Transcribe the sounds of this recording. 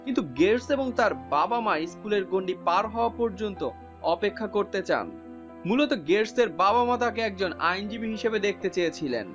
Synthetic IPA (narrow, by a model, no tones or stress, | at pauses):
kint̪uɡeɾseboŋt̪aɾbabamajskuleɾɡoɳɖipaɾɦɔoapɔɾd͡ʑont̪o | ɔpekʰːakoɾt̪et͡ɕa̰n | mulot̪oɡeɾseɾbabamat̪ʰak̬eɛk̚d͡ʑona̰jnd͡ʑibiɦiʃebed̪ek̚ʰt̪et͡ɕejet͡ɕʰilḛn